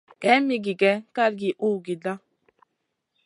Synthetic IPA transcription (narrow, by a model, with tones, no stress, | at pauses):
kɛ˨˦mi˦ɡi˨ɡɛ˨˦ka˦˨ɾɡi˨ʔu˦ɡi˨da˦